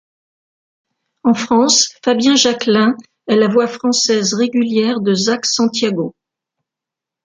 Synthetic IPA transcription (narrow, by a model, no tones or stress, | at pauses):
ɑ̃fχɑ̃sfabjɛ̃ʒaklɛ̃ | ɛlavwafχɑ̃sɛzʁeɡʲyljɛʁd̪əzaksɑ̃t̪jaɡo